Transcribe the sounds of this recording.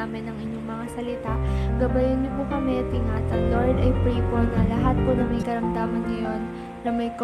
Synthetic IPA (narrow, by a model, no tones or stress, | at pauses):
amɪnːɐŋʔɪɲːoŋmɐŋasɐlɪt̪aɡɐbɐjɪnɲopʊkɐmɛt̪ɪŋat̪ɐŋloɹd̪ɐjpɾiːponɐlɐɦat̪̚pʊɾɐmɐjkɐɾɐmd̪aːmɐnŋɐjo̞n | ɾɐmɐjk